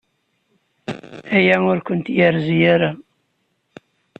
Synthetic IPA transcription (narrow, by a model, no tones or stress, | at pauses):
æjæʊɾkʷʊnt̪jaɾzijaɾa